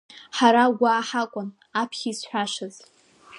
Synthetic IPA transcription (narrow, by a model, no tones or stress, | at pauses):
ħaɾaɡʷaːħakʷʼʊn | apʰχʲisħʷᶣaʂɨz